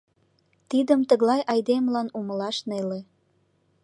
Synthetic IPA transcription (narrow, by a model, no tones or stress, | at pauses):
t̪id̪əmt̪əɣlɑjʔɑjd̪emlɑnuməlɑʃnele